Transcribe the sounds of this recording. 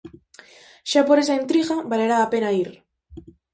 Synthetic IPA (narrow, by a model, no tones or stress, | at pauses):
ʃapoɾes̬aent̪ɾiɣabaleɾaːpenaiɾ